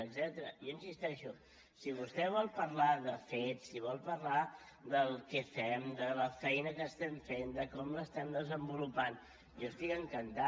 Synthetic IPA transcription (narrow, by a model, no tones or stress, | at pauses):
əɡzɛt̪əɾə̰joinsist̪ɛʃu | siβ̞ust̪ɛβ̞ɔlˠpəɾlaðəfet̪siβɔlˠpəɾla | d̪əlˠkɛfɛmd̪ələfɛjnəkəst̪ɛɱfend̪əkɔmləst̪ɛmd̪əzəmbulupan | jɔəst̪ikəŋkənt̪a